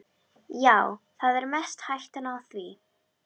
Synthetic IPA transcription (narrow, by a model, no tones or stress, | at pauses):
jaːwθaðɛɾmɛst̪hajht̪anawθvi